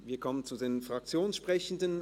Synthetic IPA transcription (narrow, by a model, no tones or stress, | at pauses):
viːɐkʰɔmənt͡sudeːnfʁ̥ak̚t͡sjoːnsʃpʁ̥ɛçən̩dən